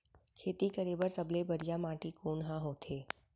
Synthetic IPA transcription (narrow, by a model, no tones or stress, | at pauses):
kʰeːt̪ikəɾeːbəɾsɐblebɐɽijamãːʈikoːnɦãɦoːt̪ʰeː